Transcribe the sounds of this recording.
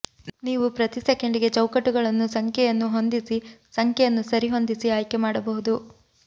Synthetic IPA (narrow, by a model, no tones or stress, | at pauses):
niːʋupɾɐt̪isekeɳɖiɡe̞t͡ʃɐwkɐʈːuɡɐɭɐnːusɐŋkʰjɛjɐnːuɦo̞nd̪isisɐŋkʰjɛjɐnːusɐɾiɦo̞nd̪isiaːjkemaːɽɐbɐɦud̪u